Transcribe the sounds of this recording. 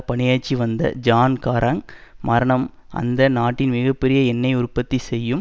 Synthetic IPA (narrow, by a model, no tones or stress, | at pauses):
pɐɳɪjaːt͡ʃːiʋɐnd̪ɐ̰d͡ʒaːnkaːɾʔɐŋmɐɾɐɳɐm | ʔɐ̰nd̪ɐnaːʈːɪnmɪɣɐpːɛɾɪjɐɛnːɐɪʊrpɐt̪ːisɛjːɯm